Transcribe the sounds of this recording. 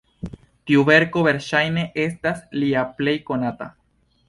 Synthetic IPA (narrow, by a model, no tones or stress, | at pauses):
t̪iuβe̞ɾkoβe̞ɾʃajne̞ʔe̞stasliaple̞jkonat̪a̰